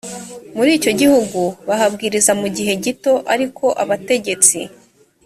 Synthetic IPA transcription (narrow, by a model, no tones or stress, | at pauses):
muɾiːco̞ɟihuɡuβaɦabɡiːɾizamuɟiɦe̞ɟito̞ʔaɾikʰo̞ʔaβate̞ɟe̞t͡sḭ